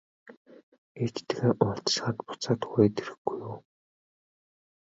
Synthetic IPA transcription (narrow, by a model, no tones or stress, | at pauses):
et͡ɕt̪̆ɣeːʔʊɬt̪̆ʃχaːt̪pʊ̥t͡saːt̪xʊeːt̪eɾɘ̆xɡ̥ujuː